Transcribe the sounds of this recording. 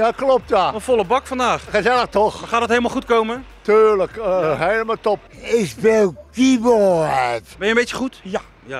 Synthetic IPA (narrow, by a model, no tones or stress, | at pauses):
jaklɔp̚tjaɔfɔlˠəbɑkfɑndaːχχəzɛləktɔχχaːtdətɦejləmalˠχutkowmətyːɹləkːejləmətɔp̚ɪsʋɛldiʋɔɛtbɛjəmbejtjəχutj